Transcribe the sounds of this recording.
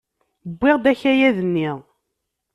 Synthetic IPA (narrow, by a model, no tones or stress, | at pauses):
əbːɪʁd̪æçæjæðənːiʁ